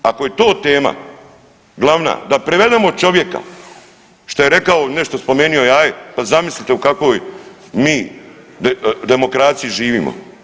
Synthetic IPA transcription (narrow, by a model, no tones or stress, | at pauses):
ako̞jet̪o̞ːt̪eːma̰ | ɡlˠaʋna̰ːd̪apɾeʋe̞d̪eːmot͡ʃo̞ʋje̞ka̰ | ʃt̪ojeɾe̞kaoneʃt̪ospo̞me̞ːnio̞jaːjepazamislʲit̪e̞ukakʋo̞ːj | miː | d̪e̞mo̞kɾaːt̪sijiʒiːʋḭːmo̰